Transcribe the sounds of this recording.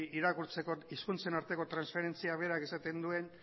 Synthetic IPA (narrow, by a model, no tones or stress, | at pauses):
iɾakuɾt͡se̞ko̞iskunt͡se̞naɾt̪e̞ko̞t̪ɾansfe̞ɾe̞nt͡siaβe̞ɾakesat̪e̞nd̪ue̞n